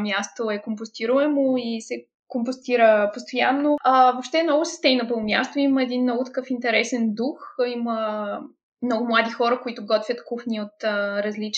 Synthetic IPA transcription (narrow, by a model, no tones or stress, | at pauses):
mjast̪oɛkompost̪iɾuɛmoisɛ | kompost̪iɾəpost̪ojanːovopʃt̪ɛmnɔɡʊsɛ̥st̪ɛminɐpɤvomʲja̰st̪oiməɛd̪innːɔɡʊt̪ɐ̥kɤfint̪ɛɾɛsɛnd̪uximə | mnɔɡʊmlˠad̪ixɔɾəkoit̪ʊɡɔt̪vʲət̪kuxnʲiot̪əɾɐzlit͡ʃ